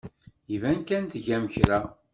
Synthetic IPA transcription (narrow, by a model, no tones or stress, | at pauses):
ivænkænt̪ʝæməçɾa